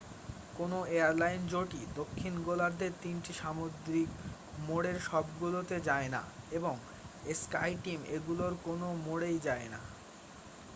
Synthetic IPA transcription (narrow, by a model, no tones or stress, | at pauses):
konoeaɾlajnd͡ʑoʈid̪okʰːinɡolaɾd̪eɾt̪inʈiʃamod̪ɾik | moɽeɾʃɔbɡulot̪ed͡ʑaena̰eboŋ | eska̰jʈimeɡuloɾkonomoɽejd͡ʑaena̰